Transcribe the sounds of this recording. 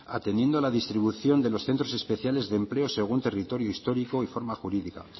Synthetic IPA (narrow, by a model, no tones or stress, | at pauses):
a̰t̪end̪je̞nd̪oalaðist̪ɾiβuθjo̞nd̪e̞lo̞sθe̞nt̪ɾo̞se̞spe̞θjale̞zðemple̞o̞se̞ɣ̞unt̪e̞rit̪o̞ɾjoist̪o̞ɾikoifo̞ɾmaxuɾiðika